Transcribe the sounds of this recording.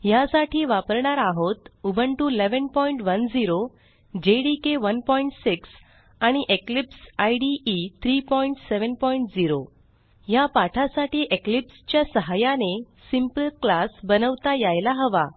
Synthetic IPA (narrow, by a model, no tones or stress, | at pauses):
jasaʈʰiːʋapəɾɳaɾaɦot̪ubʱəɳʈuleʋənpɔiɳʈʋənd͡ziɾo | d͡ʑeɽikeʋənpɔiɳʈsiks | aɽ̃iʔeklipsajɖiʔit̪ʰɾiːpɔiɳʈseʋənpɔiɳʈd͡ziɾo | japaʈʰasaʈiːʔeklipst͡ɕjasəɦajane | simpəlklasbənəʋt̪ajajlaɦəʋa